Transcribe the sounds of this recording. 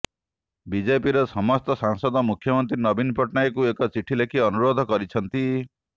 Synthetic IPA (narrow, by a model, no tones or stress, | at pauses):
bid͡ʒepiɾɔsɔmɔst̪ɔsaŋsɔd̪ɔmukʰːjɔmɔnt̪ɾinɔbinpɔʈnajkuekɔt͡ʃiʈʰilekʰiɔnuɾod̪ʱɔkɔɾit͡ʃʰɔnt̪i